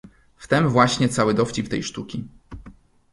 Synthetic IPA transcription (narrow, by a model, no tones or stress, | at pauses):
ft̪ɛmvwaɕɲɛt̪sawɘd̪ɔft͡ɕipt̪ɛ̰jʂt̪ukʲi